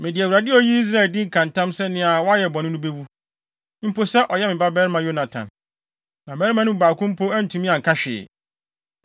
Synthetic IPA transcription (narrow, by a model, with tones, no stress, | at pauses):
mɪ̃˨dɪ˨æ˨wu˨ɾa˨dɪ˦ɔ˦ji˦i˦s̬ɾa˦˨ldɪ̃˦ŋ̩˨kʰã˨n˨tã˦msɛ˦nɪ̃˦a˨wɔ˦a˦jɛ˨bɔ˨nɪ̃˦nʊ̃˦be˦wu˦ | m̩˦pʰo˨sɛ˦ʔɔ˨jɛ˦mɪ̃˨ba˦bɛ˦ɾmã˨jo˦na˨tʰã̰˨n | nã˨mɛ˦ɾi˦mã˦nʊ̃˦u˨baː˨kʰʊ̃˦m̩˦pʰo˦æ˦n̩˨tʰũ˨mĩ˦ã˨ŋ̩˨kʰa˦ɕᶣɪ̰˨